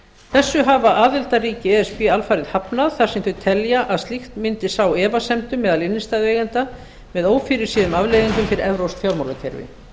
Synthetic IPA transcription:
θɛsːʏɦaːvaʔaːðɪlt̪ariːcɪɛɛspialfajɾɪðhapnaðθaɾ̥sɛmθʏðt̪ʰɛljaʔaðst̪lixt̪mɪnt̪ɪsaːwɛːvasɛmt̪ʏmːɛːðalɪnːɪst̪aːðvɛjɣɛnt̪a | mɛðoːwfiːɾɪɾ̥siːðʏmavleːjɣiŋkʏmfɪɾɪɾɛvɾowsfjawɾmawɾacʰɛ̰ɾvɪ̰

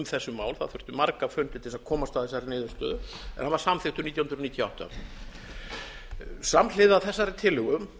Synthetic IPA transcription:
mθɛsːʏmaːwlθaðθʏr̥t̪ʏmaɾkafœnt̪ɪt̪ʰːɪsakʰɔːmast̪aðθɛsːaɾɪnɪːðʏ̥st̪œ̰ːðʏɛnhanvaɾ̥samθɪht̪ʏmniːjahnɾnit̪jɔawht̪a̰ | samlɪðaθɛsːaɾɪt̪ʰɪlʏɣʏm

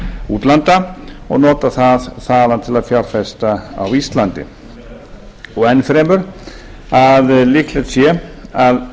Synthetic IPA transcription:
uːt̪lant̪aɔ̰ɣnɔːt̪aθaðθaːðant̪ʰɪlaðfjar̥fɛst̪aa̰wist̪lant̪ɪ̰ | ɔɣɛnfɾeːmʏɾ̥ | aðlɪklɛt̪sjɛað

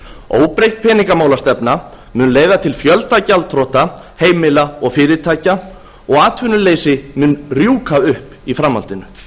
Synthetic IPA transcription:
oːwpɾejht̪̚pʰɛːniŋkamaːwlast̪ɛpna | mʏːnleːjðat̪ʰɪlfjœlt̪acalt̪ʰɾɔht̪a | heːjmɪlaɔɣfɪːɾɪt̪ʰaːjca | ɔɣaːt̪ʰvʏnʏleːjsɪmʏnrjuːkʰaʏhp | ifɾamːa̰lt̪ɪnʏ̰

